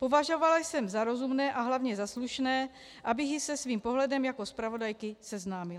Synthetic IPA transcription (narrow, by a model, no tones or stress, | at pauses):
po̞vaʒo̞valajsɛmzaɾo̞zumnɛːʔaɦlavɲɛzasluʃnɛː | ʔabɪxjɪsɛsviːmpo̞ɦlɛdɛmjako̞spɾavo̞dajkɪsɛznaːmɪl